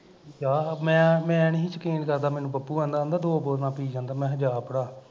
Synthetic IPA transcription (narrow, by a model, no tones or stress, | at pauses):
d͡ʒaːmɛ̃ːmɛ̃ːnɦĩːt͡ʃəkiːnkəɾd̪aːmɛːnũːbəpːuːãːnd̪aːəːnd̪aːd̪oːboːɾnãːpiːd͡ʒãːnd̪aːmɛ̃ːɦəd͡ʒaːpəɽaː